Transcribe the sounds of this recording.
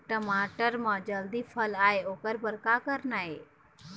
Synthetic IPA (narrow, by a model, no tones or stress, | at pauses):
ʈəmaːʈəɾmãd͡ʒəld̪iːfʰəlaːeoːkəɾbəɾkakəɾnaːɦeː